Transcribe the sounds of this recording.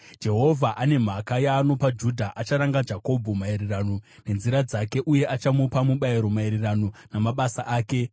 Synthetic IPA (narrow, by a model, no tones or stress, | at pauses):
d͡ʒe̞ɦo̞vʱaʔane̞m̤akajaːno̞pad͡ʒudʱaʔat͡ʃaɾaŋɡad͡ʒako̞bʱumaeɾiranone̞nziɾad͡zake̞ʔuje̞ʔat͡ʃamupamuɓaiɾo̞maeɾerano̞namaɓasaʔaːke̞